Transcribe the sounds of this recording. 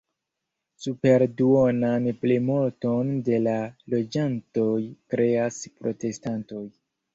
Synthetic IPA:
supe̞ɾduonanplemoto̞nde̞lalo̞d͡ʒanto̞jkɾe̞aspɾo̞te̞stanto̞j

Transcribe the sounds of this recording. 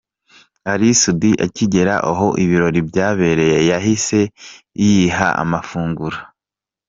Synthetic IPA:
aɾisudiʔaciɟe̞ɾa̰ʔaɦo̞ʔiβiɾo̞ɾibɟaːβe̞ɾe̞jejaɦise̞ | ijiɦa̰ʔa̰mafuːŋɡuɾa

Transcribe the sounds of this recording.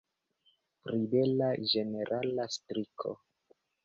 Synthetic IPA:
pɾibelad͡ʒe̞ne̞ɾʔalastɾikʰo̰

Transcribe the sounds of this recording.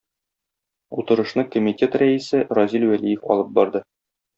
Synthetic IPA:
ut̪ɤ̆ɾɤ̆ʃnɤkomʲitʲe̞t̪ræisɘɾɒzʲilwælijɘfɒ̰lˠɤp̚bɒɾd̪ɤ

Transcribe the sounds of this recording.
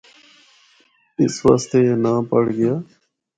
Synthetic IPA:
ɪsʋa̰ːst̪eːeːnãːpəɽ̤ɡɪjaː

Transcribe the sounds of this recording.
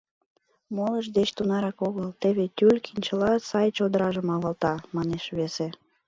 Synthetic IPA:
moləʒd̪et͡ɕt̪unɑɾɑkoɣəlt̪eβet̪ʲylʲkinʲt͡ɕəlɑsɑjt͡ɕod̪əɾɑʒəmɑβɑlt̪ɑmɑneʃβese

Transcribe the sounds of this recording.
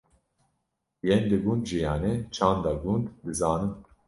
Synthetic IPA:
jɛnd̪ɨɡund̪ʒijɑːnet͡ʃʰɑːnd̪ɑɡund̪d̪ɨzɑːnɨm

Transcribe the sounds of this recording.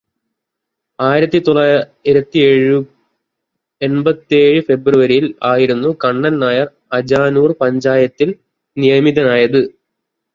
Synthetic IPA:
aːjiɾɐt̪ːit̪oɭːaː | iɾɐt̪ːieːɻɨ | e̞nbɐt̪ːeːɻɨfe̞bruʋɐɾiilaːjiɾunːukɐɳːɐnnaːjɐr | ɐd͡ʑaːnuːrpɐɲd͡ʑaːjɐt̪ːil | nijɐmiðɐnaːjɐðɨ

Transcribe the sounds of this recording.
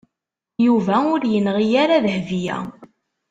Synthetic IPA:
juvæʊɾjənʁijaɾaðhvijæ̰

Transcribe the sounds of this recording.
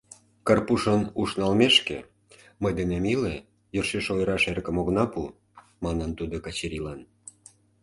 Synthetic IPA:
kɑrpuʃənuʃnɑlmeʃkḛ | məjd̪enemile | jørʃeʃojɾɑʃerkə̆moɣnɑpu | mɑnənt̪ud̪okɑt͡ɕeɾilɑn

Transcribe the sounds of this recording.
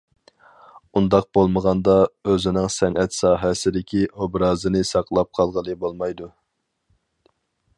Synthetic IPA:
und̪ɑq̚b̥olˠməʁɑnd̪ɑøzɪnɪŋsɛnɛt̪sɑːɦɛsɪd̪ɪkʲʰiʔobɾɑːzɨnɪsɑqʰlˠɑp̚qʰɑlˠʁəlˠɨbolˠmɑjd̪u

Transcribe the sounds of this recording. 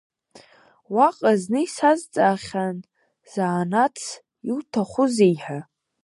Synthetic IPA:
waqʼaznɨisazt͡sʼaːχʲan | z̥aːnat͡sʰ | iwtʰaχʷʊzejħa

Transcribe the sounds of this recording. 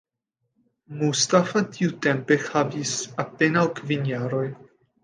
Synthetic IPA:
must̪afatʰiutempexavisapenawkvinjaɾo̞j

